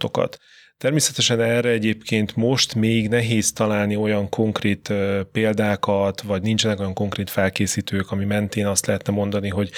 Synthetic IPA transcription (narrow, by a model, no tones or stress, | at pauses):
t̪o̞̰kɒ̰t̪ː | ɛrmeːsɛt̪ɛʃɛnɛrːɛɛɟeːpkeːnt̪mo̞ʃt̪meːɡnɛɦeːzt̪ɒlaːlnio̞jɒŋkʰo̞ŋkreːt̪ːpeːld̪aːkɒt̪vɒɟnint͡ʃɛnɛko̞jɒŋko̞ŋkreːt̪fɛlkeːsiːt̪øːkɒmimɛnt̪eːnɒst̪lɛɦɛt̪nɛmo̞nd̪ɒniɦo̞ɟ